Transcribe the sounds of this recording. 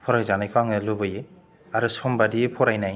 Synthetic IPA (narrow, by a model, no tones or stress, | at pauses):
pʰɔɾajzanajkʰaŋɯlubɯje | aɾɯsɔmbadipʰɔɾajnaj